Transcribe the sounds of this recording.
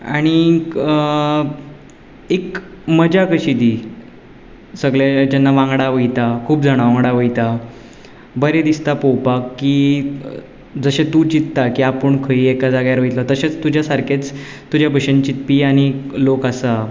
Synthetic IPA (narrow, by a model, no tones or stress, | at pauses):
a̰ɽ̃i | ekməd͡ʑakəɕid̪i | səɡɭjad͡ʑenːaʋãŋɡɽaʋəjt̪akʰuːpd͡zaɽ̃aʋãŋɡɽaʋəjt̪a | bəɾed̪ist̪apowpakːiː | d͡zəɕet̪ut͡ɕit̪t̪ːakiapəɳkʰəiekad͡zaɡjaɾʋəjt̪lɔt̪əɕet͡st̪ud͡ʑʱjasaɾkʰet͡s | t̪ud͡ʑjabʱəɕənt͡ɕit̪piaɽ̃ilokasa